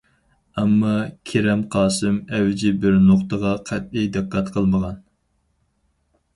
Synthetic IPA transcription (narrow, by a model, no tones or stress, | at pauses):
ɛmːɑkʲʰeɾɛmqʰɑːsɨmɛwd͡ʒɪbɪɾnoχt̪əʁɑqʰɛt̪̚ijd̪ɨqʰːɑt̪qʰəlˠməʁɑn